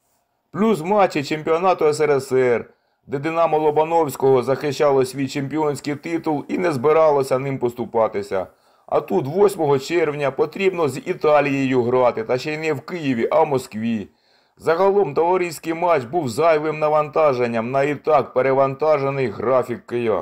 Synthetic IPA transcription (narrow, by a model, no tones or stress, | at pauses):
plʲuswmɑt͡ʃːit͡ʃemʲpʲiɔnɑt̪ʊɛs̬ɛɾɛsɛr | d̪ɛd̪ɪnɑmɔlˠɔbɐnɔwsʲkɔɦɔzɐxɪʃt͡ʃːɑlˠɔsʲʋʲijt͡ʃempʲiɔnʲsʲkɪjt̪ɪt̪ʊlˠinɛzbɪɾɑlˠɔsʲɐnɪmpɔst̪ʊpɑt̪ɪsʲɐ̰ | ɐ̰t̪ut̪ʋɔsʲmɔɦɔt͡ʃɛrwnʲɐpɔt̪ɾʲibnɔzʲit̪ɑlʲijejuɦɾɑt̪ɪt̪ɐʃɛjnɛwkɪjiʋʲiʔɐwmɔskʋʲi | zɐɦɐlˠɔmt̪ɔʋɐɾijsʲkɪjmɑt͡ʃbuwzɑjʋɪmnɐʋɐnt̪ɑʒenʲːɐmnɐit̪ɑkpeɾeʋɐnt̪ɑʒe̞nɪjɦɾɑfʲikːɪjɑ̰